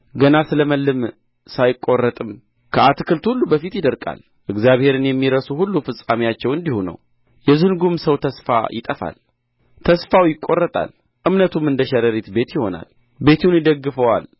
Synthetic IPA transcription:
ɡənasɨləməlːɨm | sajɪkʼːo̞rːət̪ʼɨm | kʰəat̪kʰɨlt̪hulːubəfit̪jɪd̪əɾkʼa̰l | ʔɨɡzjaβhe̞ɾɨnjɛmːiɾəsuhulːufɨsʼamijat͡ʃːɛwɨnd̪ihunə̰w | jɛzɨnɡumsəwt̪ʰəsfa̰jɪt̪ʼəfa̰l | t̪ʰəsfawjɪkʼːo̞rːət̪ʼa̰l | ʔɨmnət̪umɨnd̪əʃɛɾəɾet̪be̞t̪jɪho̞na̰l | be̞t̪ʰunjɪd̪əɡːɨfəwal

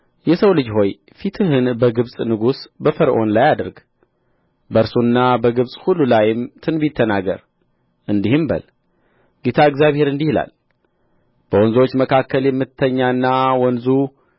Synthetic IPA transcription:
jɛsəwlɨd͡ʒho̞j | fit̪ʰɨɦɨnbəɡɨβsʼnɨɡusbəfəɾʔo̞nlajad̪əɾɡ | bəɾsunːabəɡɨβsʼhulːulajɪmt̪ʰɨnbit̪ʰːənaɡə̰ɾ | ʔɨnd̪ihɨmbə̰l | ɡ̥et̪ʰaɨɡzjaβhe̞ɾɨnd̪ihila̰l | b̥əwɔnzo̞t͡ʃːməkʰakːəljɛmːɨt̪ʰːəɲːanːawɔnzu

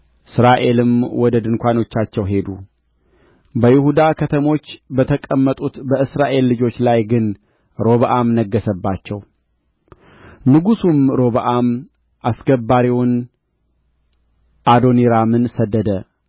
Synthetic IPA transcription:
ʔɨsɾaʔe̞lɨmwɔd̪əd̪ɨnkʷano̞t͡ʃːat͡ʃːɛwɦe̞d̪u | bəjɪhud̪akʰət̪ʰəmo̞t͡ʃːbət̪ʰəkʼəmːət̪ʼut̪bəɨsɾaʔe̞lːɨd͡ʒo̞t͡ʃːlajɡɨn | ɾo̞βəʔamnəɡːəsəbːat͡ʃːɛw | nɨɡusumɾo̞βəʔam | ʔasɡəbːaɾiwʊn | ʔad̪oniɾamɨnsəd̪ːəd̪ə

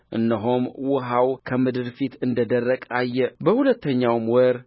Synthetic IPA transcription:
ʔɨ̰nːəɦomwʊɦawkʰəmɨd̪ɨɾfit̪ɨnd̪əd̪ərːəkʼajːɛbəhulət̪ːəɲːawmwəɾ

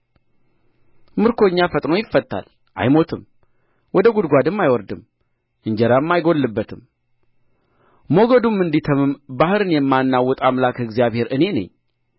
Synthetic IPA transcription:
mɨɾkʰoɲːafət̪ʼno̞jɪfːət̪ʼːa̰l | ʔa̰jmo̞t̪ʰɨm | wɔd̪əɡud̪ɡʷad̪ɨmːajwɔɾd̪ɨm | ʔɨɲd͡ʒɛɾamːajɡo̞lːɨbːət̪ʰɨm | mo̞ɡəd̪umːɨnd̪it̪ʰəmɨmbahɨɾɨnjɛmːanːawːɔt̪ʼamlakɨɡzijaβhe̞ɾʔɨne̞nə̰ɲː

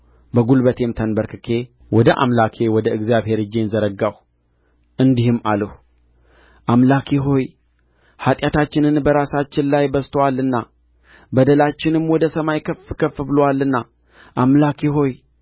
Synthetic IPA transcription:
bəɡulbət̪ʰe̞mt̪ʰənbəɾkʰɨkʰe | wɔd̪əʔa̰mlakʰewɔd̪əʔɨɡzijaβhe̞ɾɨd͡ʒːenzəɾəɡaw | ʔɨnd̪ihɨmaləhu | ʔamlakʰeɦo̞j | hat̪ʼjat̪ʰat͡ʃːɪnɨnbəɾasat͡ʃːɪnlajbəst̪ʰowalːɨnːa | bəd̪əlat͡ʃːɪnɨmwɔd̪əsəmajkʰəfkʰəfɨbɨlowalːɨnːa | ʔamlakʰeɦo̞j

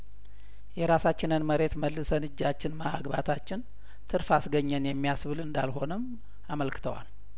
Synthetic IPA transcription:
jɛɾasat͡ʃːɪnɨnməɾe̞t̪məlːɨsənɨd͡ʒːat͡ʃːɪnmaa̰ɡbat̪ʰat͡ʃːɪn | t̪ʰɨɾfasɡəɲːənjɛmːijasβɨlɨnd̪a̰lɦo̞nəm | aməlkɨ̥t̪ʰəwa̰l

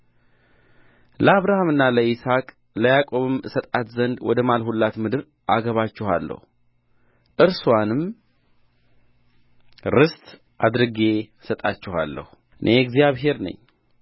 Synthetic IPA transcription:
ləaβɾahamɨnːaləisakʼ | ləjakʼo̞βɨmsət̪ʼat̪zənd̪wɔd̪əmalhulːat̪mɨd̪ɨɾ | ʔaɡəβat͡ʃːɪha̰lːə̰hu | ʔɨɾswanɨm | ɾɨst̪ʼ | ʔad̪ɾɨɡe̞ | sət̪ʼat͡ʃːɪha̰lːə̰hu | ʔɨnʔe̞ɛɡzjaβɦe̞ɾnə̰ɲː

